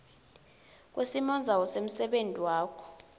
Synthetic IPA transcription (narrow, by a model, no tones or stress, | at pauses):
k̬ʼwʔesimɔnd͡zʱawɔsem̩sɛɓentʼiwaːkʰɔ̥